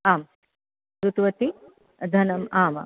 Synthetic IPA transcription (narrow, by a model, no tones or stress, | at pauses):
aːm | tɾut̪ʋɐt̪i | d̪ʱɐnɐmaːmɐ̰